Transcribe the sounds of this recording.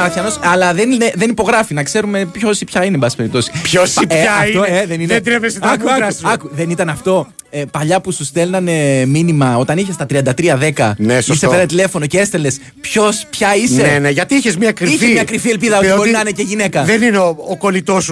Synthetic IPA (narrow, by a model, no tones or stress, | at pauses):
ɐçɐnosɐlɐðe̞nneðe̞nipo̞ɣɾɐfinɐkse̞ɾume̞pço̞sipçɐinembɐsi̥pe̞ɾip̚t̪o̞si̥pçosiɐɐit̪oeðenined̪ɾevesikɐɐkuðe̞nit̪ɐnɐft̪o̞ | epɐʎɐpusust̪e̞lnɐneminimɐo̞t̪ɐniçest̪ɐt̪ɾiɐnd̪ɐt̪ɾiɐðe̞kɐnesiseenɐt̪ile̞fo̞noceest̪e̞le̞s | pço̞spçɐisneeneʝɐt̪iiçezmɲɐkɾiiçfezmɲɐkɾifie̞lbpiðɐobo̞ɾinɐineceʝine̞kɐðenineooko̞lit̪os